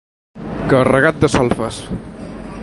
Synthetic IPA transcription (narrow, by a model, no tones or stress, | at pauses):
kərəɣat̪̚d̪əsɔlˠfəs